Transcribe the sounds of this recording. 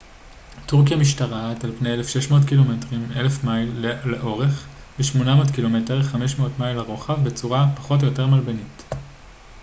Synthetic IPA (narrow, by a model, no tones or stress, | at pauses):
tuʁkjamiʃtaʁatalpnejelefʃeʃmo̞ːtkilo̞metʁimelefmajlleʔo̞ʁe̞χ | beʃmo̞namo̞ːtkilo̞me̞teʁeχameʃmeotmajlaʁoχavbet͡suʁapaχo̞t̬jo̞te̞ʁmalbenit